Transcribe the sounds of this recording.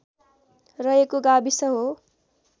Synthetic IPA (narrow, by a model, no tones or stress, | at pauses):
rʌɦekoɡabisʌɦo